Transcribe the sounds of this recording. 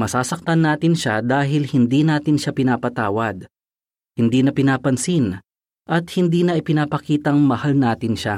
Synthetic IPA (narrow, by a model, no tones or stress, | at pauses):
mɐsaːsɐk̚t̪ɐnːaːt̪ɪnʃad̪aːɦɪlhɪnd̪iːnaːt̪ɪnʃapɪnaːpɐt̪aːwɐd̪̚ | hɪnd̪iːnɐpɪnaːpɐnsin | ʔɐt̪̚hɪnd̪iːnɐʔɪpɪnaːpɐkiːt̪ɐŋmɐhalnaːt̪ɪnʃa